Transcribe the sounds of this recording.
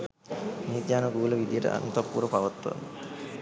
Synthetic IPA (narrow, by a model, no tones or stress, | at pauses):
nid̪jaːnɡuːləʋid̪ijəʈə̰ʔa̰nut̪apːṵːɾəpaʋət̪ːa̰n